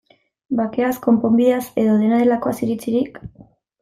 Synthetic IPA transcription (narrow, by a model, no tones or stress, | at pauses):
bake̞asko̞mpo̞mbiðase̞ðo̞ðe̞naðe̞lako̞asiɾit͡siɾik